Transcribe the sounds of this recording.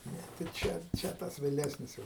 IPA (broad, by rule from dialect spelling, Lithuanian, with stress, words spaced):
ˈnʲɛ tɐɪ ˈt͡ʃʲɛ ˈt͡ʃʲɛ ˈtɐs ʋʲeːˈlʲæːsʲnʲɪs ˈjɛʊ